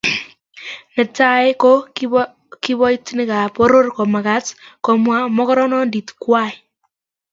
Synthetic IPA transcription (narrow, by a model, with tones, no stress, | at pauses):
nɛ˨ta˦e˦ko˦ | kɪ˦bɔ˦i˦tnɪ˦ka˨po˦ɾo˦rko˨ma˨ka˦tko˨mwa˦mɔ˦kɔ˦ɾɔ˦nɔ˦ndi˨tkwa˦˨j